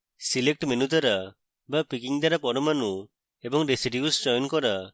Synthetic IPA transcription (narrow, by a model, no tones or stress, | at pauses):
silek̚ʈmenut̪aɾa | bapikiŋd̪aɾapɔɾɔmanu | ebɔŋɾesiʈiusd͡ʒɔjɔnkɔɾa